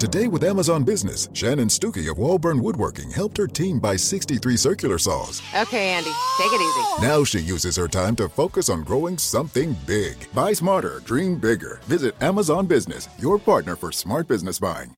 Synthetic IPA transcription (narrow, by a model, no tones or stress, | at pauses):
tɨdeɪwəðæməzɑ̃nbɪznɨ̰sʃæ̃nɨ̃nstʉkḭʌ̰vwɔlˠbɜ̃˞nwʊd̚wɜ̰˞kɪ̰̃ŋhɛlˠp̚t̚hə˞tʰĩmbaɪsɪkstiθɹisɜ˞kjl̩ˠə˞sɔ̰lˠz̥ʔoʊkʰeɪæ̃nditʰeɪkɨɾizinaʊʃijʉzɨz̥hə˞tʰãɪ̃mtɨfoʊkɨsn̩ɡɹoʊɪ̃ŋsʌ̃mθɪ̃ŋbɪɡ̥b̥aɪsmɑɹɾə̰˞dɹĩmbɪɡə̰˞vɪzɨɾæməzɑ̃nbɪznɨ̰sjə˞pʰɑɹtⁿnə˞fə˞smɑɹt̚b̥ɪznɨsb̥a̰ɪɪ̰̃ŋ